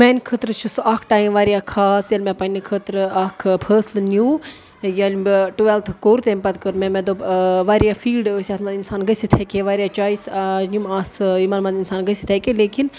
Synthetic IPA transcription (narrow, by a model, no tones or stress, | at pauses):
mẽːnkʰət̪ɾt͡ʃʰusaːkʰʈaːimʋaːɾijaːkʰaːsjɐlmɛ̃ːpɐnikʰət̪ɾaːkʰpʰəːslnʲjuː | jɐlmbʈuʋelt̪ʰkoːɾt̪eːmpɐt̪kəɾmɛ̃mɛ̃d̪oːʋaːɾijaːfʰiːlɖsʲjaːt̪ʰmɐnd̪insaːnɡəsit̪ʰekeʋaːɾʲijaːt͡ʃaːisnʲjumaːsimaːnmɐ̃nd̪insaːnɡəsi̥t̪ʰeːkeleːkin